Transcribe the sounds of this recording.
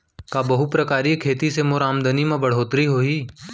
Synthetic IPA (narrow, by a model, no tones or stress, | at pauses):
kaːbɐɦupɾɐkaːɾikʰeːt̪isemoɾaːmd̪ənimẽbɐɽ̤oːt̪ɾiɦoːiː